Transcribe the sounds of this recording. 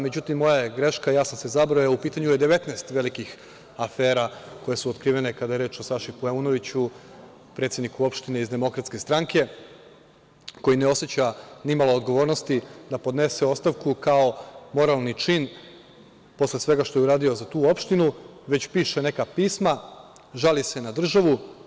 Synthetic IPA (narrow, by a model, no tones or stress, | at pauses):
me̞d͡ʑut̪imːo̞jaeɡɾe̞ʃkajaːsamse̞zabɾojaupiːt̪aɲujed̪e̞ʋe̞t̪nast̪ʋe̞likix | afe̞ːɾako̞je̞suot̪kɾiːʋe̞nekad̪ajeɾe̞ːt͡ʃosaʃipueuno̞ʋit͡ɕu | pɾe̞t̪sʲed̪nikuo̞pʃt̪ine̞izd̪e̞mo̞kɾat̪ske̞st̪ɾaŋke̞ | ko̞jine̞o̞set͡ɕanimalˠo̞od̪ɡo̞ʋo̞ːɾno̞st̪id̪apo̞d̪ne̞se̞o̞st̪aʋkukao̞mo̞ɾalˠnit͡ʃiːn | po̞slesʋe̞ɡaʃt̪o̞juɾaːd̪io̞zat̪uːo̞pʃt̪inuʋe̞t͡ɕpiːʃe̞ne̞kapiːsma | ʒalise̞nad̪r̩ʒaʋu